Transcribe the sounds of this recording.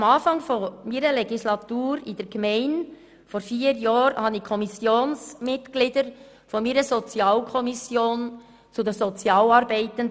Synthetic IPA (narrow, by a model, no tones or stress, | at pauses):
mɑːfɑŋfomiːɾəleɡislɑtuːɾɪd̥ɛɾɡmɛɪn | fɔɾfiːəɾjɑːɾhɑnikʰɔmisjoːnsmɪtɡ̥lidəɾ | fɔnmiːɾəsot͡sjɑːlkʰɔmisjoːn | t͡sudɛzɔt͡sjɑːlɑɾbɛɪtən